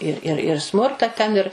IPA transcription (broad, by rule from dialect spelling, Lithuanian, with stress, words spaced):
ɪr ˈɪr ɪr ˈsmʊrtɐ tʲɛn ɪr